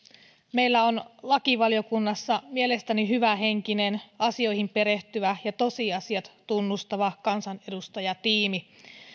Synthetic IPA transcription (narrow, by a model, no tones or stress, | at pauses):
me̞jlːæonlɑkiʋɑlijo̞kunːɑsːɑmie̞le̞st̪æniɦyʋæɦe̞ŋkine̞nɑsio̞jhimpeɾe̞ht̪yʋæjɑt̪o̞siɑsiɑt̪t̪unːust̪ɑʋɑkɑnsɑne̞dust̪ɑjɑt̪iːmi